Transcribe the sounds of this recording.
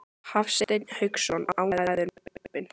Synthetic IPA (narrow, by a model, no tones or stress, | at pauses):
hafsɛt̪ɛɲhʏksɔnaawaðaðʏɾpɪn